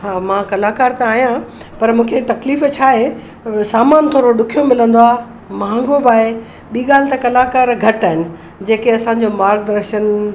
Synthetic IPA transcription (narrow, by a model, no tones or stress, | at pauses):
ɦaːmãːkɐlaːkaːɾt̪ãaːɦijã | pɐɾmũːkʰet̪ɐkliːft͡ɕʰaːɦe | saːmaːnt̪ʰoːɾoɗʊkʰijomɪlə̃nd̪oaː | mãːŋɡobaːɦe | ɓiːɠaːl̤ɪt̪ɐkɐlaːkaːɾɡʱɐʈaːɦɪnɪ̆ | d͡ʑeːkeɐsãːɲ̆d͡ʑomaːɾk̚d̪ɾəɾʃən